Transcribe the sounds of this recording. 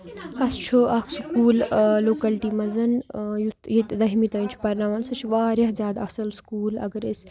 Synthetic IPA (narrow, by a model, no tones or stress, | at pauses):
ɐst͡ʃʰuʔɐkʰskuːlloːkɐlʈiːmɐzɐnjut̪jit̪d̪ɐɦimit̪ɐnt͡ʃʰu̥pɐɾnaʋɐnsɐt͡ʃʰʋaːɾʲɐhzʲjaːd̪ɐsɐlskuːlɐ̰ɡɐɾesʲ